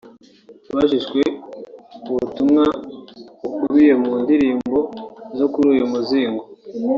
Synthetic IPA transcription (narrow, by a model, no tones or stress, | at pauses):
βaʃ̬iʃkwe̞ | uβutumŋa | βukuɾije̞muːndiɾiːmbo̞zo̞kuɾuːjumuziːŋɡo